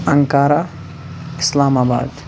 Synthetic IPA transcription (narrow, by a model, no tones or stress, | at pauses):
ɐŋkaːɾa | ɪ̥slaːmaːba̰ːd̪